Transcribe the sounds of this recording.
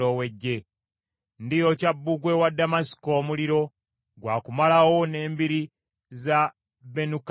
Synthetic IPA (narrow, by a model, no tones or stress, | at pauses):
owe̞ɟːe̞ | ndijo̞cabːuɡwe̞wadːamasi̥ko̞ːmuliɾo̞ | ɡwaːkumalawo̞ne̞ːmbiɾi | za | be̞nuk